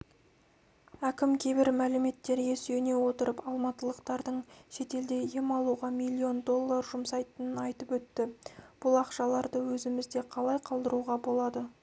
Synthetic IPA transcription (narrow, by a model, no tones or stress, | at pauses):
ækʲɪmkʲʰejbɪɾmælɪme̞t̪ːe̞ɾje̞sene̞wo̞t̪əɾəpɑlˠmɑt̪əlˠəqt̪ɑɾd̪əɴʃe̞t̪e̞ld̪e̞jemɑlˠuʁɑmilʲːio̞nd̪o̞lˠːɑrʒʊmsɑjt̪ənənɑjt̪əpwɵt̪ːɪb̥ʊlˠɑqʃɑlˠɑɾd̪əwɵzɪmɪzd̪e̞qʰɑlˠɑjqʰɑlˠd̪əɾuʁɑbo̞lˠɑd̪ə